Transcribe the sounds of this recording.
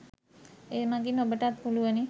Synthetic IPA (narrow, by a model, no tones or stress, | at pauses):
eːmaɡinobəʈat̪huluʋəni